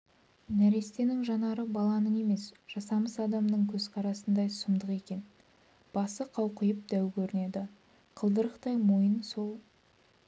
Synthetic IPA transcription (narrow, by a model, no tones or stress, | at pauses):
næɾe̞st̪e̞nɪŋʒɑnɑɾəbɑlˠɑnəe̞me̞sʒ̥ɑsɑməsɑd̪ɑmnəɴkʲʰɵzqʰɑɾɑsənd̪ɑjsəmd̪əqe̞kʲe̞n | b̥ɑsəqʰɑwqəjəp̚d̪æwkʲʰɵɾɪne̞d̪ɪ | qʰəlˠd̪əɾəqt̪ɑjmojənso̞lˠ